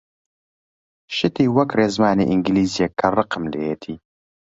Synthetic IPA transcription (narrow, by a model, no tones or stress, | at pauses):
ʃɨt̪iːwɐkreːzmaːnḭʔiŋɡliːzjekʰːɐrɨqɨmlḛːjeːt̪ʰiː